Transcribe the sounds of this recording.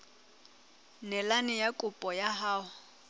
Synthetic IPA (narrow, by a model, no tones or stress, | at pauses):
nɛlanɪjakʼʊpʼɔjaɦaːʊ